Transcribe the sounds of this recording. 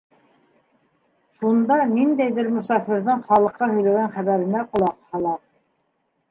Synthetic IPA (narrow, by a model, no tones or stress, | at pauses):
ʃund̪ɑnind̪æjðɘɾmʊ̆sɑfɘ̆ɾðɤɴχɑlˠɤ̆qːɑhɵ̆jlæɡænχæβæɾɘ̆næqŏlˠɑqhɑlˠɑ